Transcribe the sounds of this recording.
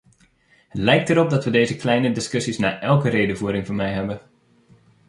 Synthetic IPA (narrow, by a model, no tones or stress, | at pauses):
hətlɛjk̚təɾɔp̚dɑtʋədeːzəklɛjnədɪskɵsisnaːʔɛlˠkəreːdəvuːɾɪŋvʊːɹmɛjɦɛbən